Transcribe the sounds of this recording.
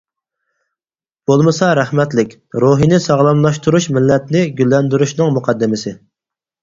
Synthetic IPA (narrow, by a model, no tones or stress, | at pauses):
b̥olˠmɨsɑɾæχmɛt̪lɪkʲ | ɾoɦinɪsɑʁlˠɑmlˠɑʃt̪ʰuɾuʃmɪlːɛt̪nɪɡʲylːɛnd̪yɾyʃnɨŋmuqʰɑd̪ːɪmɪsɪ